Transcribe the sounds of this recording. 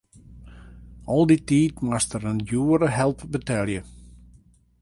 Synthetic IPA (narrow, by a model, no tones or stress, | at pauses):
ɔlˠditiːtmastəɾənjuːəɾəɦɛlˠpbətɛlˠjə